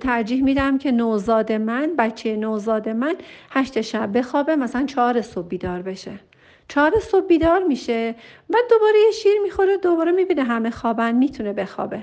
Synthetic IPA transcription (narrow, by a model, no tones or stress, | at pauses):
t̪ʰæɾd͡ʒiːhmiːd̪æmcʰe̞nozɒːd̪e̞mænbæt͡ʃʰːejenozɒːd̪e̞mænhæʃt̪eʃæbbe̞xɒːbemæsælænt͡ʃʰɒːɾesob̚biːd̪ɒːɾbe̞ʃe | t͡ʃʰɒːɾesob̚biːd̪ɒːɾmiːʃevæd̪o̞bɒːɾejeʃiːɾmiːxo̞ɾed̪obɒːɾemibiːneɦæmexɒːbænmit̪ʰunebe̞xɒ̰ːbe̞